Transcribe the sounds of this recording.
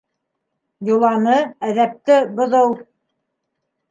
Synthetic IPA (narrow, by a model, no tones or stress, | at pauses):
julˠɑnɤæðæp̚t̪ɘbŏðɤw